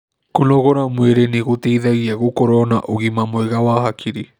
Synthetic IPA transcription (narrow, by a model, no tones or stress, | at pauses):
kunoɣoɾamueɾeniɣut̪eiðaɣiaɣukoɾonaʔuɣimamoeɣawaɦakʰiɾi